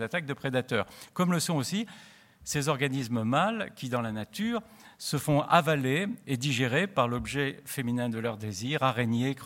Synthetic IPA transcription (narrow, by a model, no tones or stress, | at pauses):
zat̪ak̚d̪əpχed̪at̪œːʁkɔmləsɔ̃osi | sezɔʁɡanisməmalkʲid̪ɑ̃lanat̪yːʁ | səfɔ̃avaleːd̪iʒeʁepaʁlɔbʒɛfeminɛ̃d̪əlœʁd̪eziʁaʁeɲek